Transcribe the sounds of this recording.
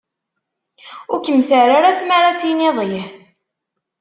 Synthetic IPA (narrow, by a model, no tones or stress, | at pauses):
ʊɾkəmːθəɾaɾaθmaɾat͡sːineðˤjħ